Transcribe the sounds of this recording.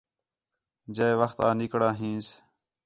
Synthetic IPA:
d͡ʒeːʋəxt̪ãːnɪkɽãːɦĩːs

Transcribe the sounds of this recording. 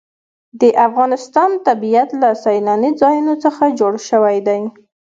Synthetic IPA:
d̪əʔafɣɑnɪst̪ɑnt̪abijat̪lasajnɑnid͡zɑjunot͡səxad͡ʒoɽʃəwajd̪aj

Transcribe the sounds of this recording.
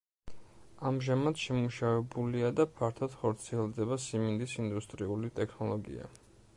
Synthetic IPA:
amʒamad̪ʃɛmuʃavɛbuliad̪apʰaɾt̪ʰad̪̥χɔɾt̪sʰiɛlˠd̪ɛbasimind̪isind̪ust̪ʼɾiulit̪ʼɛkʰnɔlˠɔɡḭa̰

